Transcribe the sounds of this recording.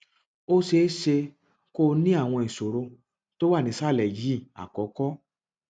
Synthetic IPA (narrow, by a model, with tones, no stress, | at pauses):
o˦ʃe˧˦ʃe˧ | ko˦nĩ˦a˦˨w̃ɔ̃˧ĩ˨so˨ɾo˧ | to˦wa˦˨nĩ˨˦sa˦˨lɛ˨ji˨˦˨a̰˨kɔ˨˦kɔ˦